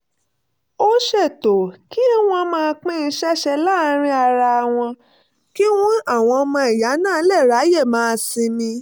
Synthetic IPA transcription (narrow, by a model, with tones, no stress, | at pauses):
o˦ʃɛ˦˨to˨ki˦w̃ɔ̃˦mãː˦˧k͡pĩ˦ĩ˧˦ʃɛ˦ʃɛ˧la˦˨˦ɾ̃ĩ˧˦a˧ɾa˧˨w̃ɔ̃˧ | ki˦w̃ɔ̃˦a˦˨w̃ɔ̃˧mɔ̃˧ɛ˨ja˨˦nãː˦˨˦lɛ˦˨ɾa˨˦je˦˨mãː˦˧˦sĩ˧mĩ˧